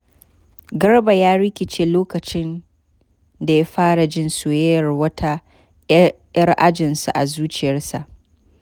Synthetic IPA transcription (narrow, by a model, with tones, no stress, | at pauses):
ɡɐ˦ɽba˨jaː˦ɽɪ˦kʲɪ˨t͡ʃeː˨loː˦kɐ˨t͡ʃɪ˦n | da˨ja˦ɸaː˦ɽa˨d͡ʒɪ˦nsʊ˨jɛ˦jɐ˨rwɐ˦tʰa˦ | jɐ˦rʔa˦d͡ʒɪ˨nsa˨ʔa˨zuː˦t͡ʃɪ˨jɐ˦rsa˨ʔ